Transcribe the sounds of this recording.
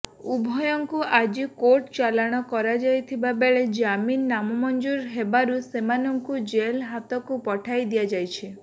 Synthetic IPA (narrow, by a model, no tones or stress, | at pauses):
ubʱɔjɔŋkuʔad͡ʒikoɾʈt͡ʃalaɽ̃ɔkɔɾad͡ʒajt̪ʰibabeɭed͡ʒaminːamɔmɔnd͡ʒuɾɦebaɾusemanɔŋkud͡ʒelɦat̪ɔkupɔʈʰajd̪ijad͡ʒajt͡ʃʰi